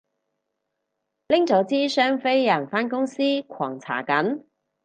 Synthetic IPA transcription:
lɪ˥ŋt͡sɔː˨˥t͡siː˥sœː˥ŋfe˥jjɐː˨˩ŋfaː˥nkʊ˥ŋsiː˥kʷʰɔː˨˩ŋt͡sʰa̰ː˨˩kɐ˨˥n

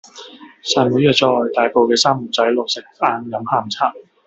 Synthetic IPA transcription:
saː˨˧jmuː˨˥jœː˧t͡sɔː˧jt̪aː˨jpo˧wkɛː˧saː˥mu˨˩t͡sɐ˨˥jlo˨k̚sɪ˨˩k̚faː˨˧nkɐ˨˥mhaː˨mt͡sʰaː˥˩k̚

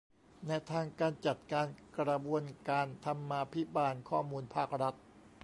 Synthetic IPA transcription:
na˧t̪ʰaː˧ŋkaː˧nt͡ɕa˨˩t̪̚kaː˧nkɾa˧bu˧ənkaː˧nt̪ʰa˧mːaː˧pʰi˦˥baː˧nkʰɔː˥˩muː˧npʰaː˥˩k̚ɾa˦˥t̪̚

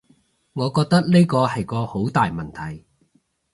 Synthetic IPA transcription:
ŋɔː˨˧kɔː˧k̚t̪ɐ˥k̚ne˥jkɔː˧hɐ˨jkɔː˧ho˨˥wt̪aː˨jmɐ˨nt̪ʰɐ˨˩j

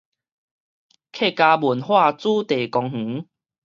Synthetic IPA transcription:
kʰe˥˨ka˧bu˨˩nhwa˥˧˨t͡suː˥˦t̪e˨˩kɔ˧ŋhŋ̩̃˨˦

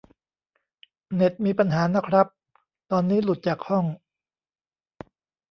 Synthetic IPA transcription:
ne˨˩t̪̚miː˧pa˧nɦaː˩˦na˦˥kʰɾa˦˥p̚ | t̪ɔː˧nːiː˦˥lu˨˩t̪̚t͡ɕaː˨˩k̚hɔ˥˩ŋ

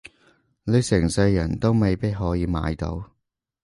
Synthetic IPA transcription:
ne˨˧sɪ˨˩ŋsɐ˧jːɐ˨˩nt̪o˥wme˨jpi˥t̚ɦɔː˨˥jiː˨˧ma̰ː˨˧jt̪o̰˨˥w

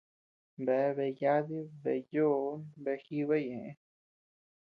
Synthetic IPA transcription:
be˨˦βe˧˨ja˦ði˦βe˧jo˦nbe˧xi˦βe˦jẽ˨ʔẽ˦

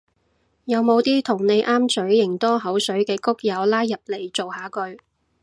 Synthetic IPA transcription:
jɐ˨˧wmo˨˧wt̪iː˥t̪ʰʊ˨˩ŋne˨˧jʔaː˥mt͡sɵ˨˥ɥjɪ˨˩ŋt̪ɔː˥ɦɐ˨˥wsɵ˨˥ɥkɛː˧kʊ˥k̚jɐ˨˧wlaː˥jjɐ˨p̚le˨˩jt͡so˨whaː˨˥kɵ˧ɥ

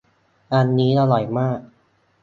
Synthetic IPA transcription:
ʔa˧nːiː˦˥la˧lɔ˨˩jmaː˥˩k̚

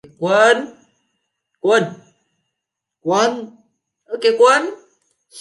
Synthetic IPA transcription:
kwa˦n | kwa˦˨n | kwa˦n | o˨ke˨kwa˦n

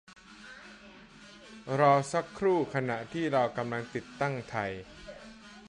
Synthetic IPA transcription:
ɾɔː˧sa˦˥kʰːɾuː˥˩kʰa˧na˨˩ʔt̪ʰiː˥˩ɾa˧wka˧mla˧ŋt̪i˨˩t̪ːa˥˩ŋt̪ʰa˧j

